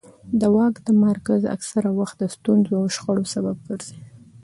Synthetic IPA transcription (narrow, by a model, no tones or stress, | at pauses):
d̪əwɑkd̪əmaɾkaza̰ksaɾawaxt̪̚d̪əst̪unzoawʃxaɽosabab̚ɡəɾzi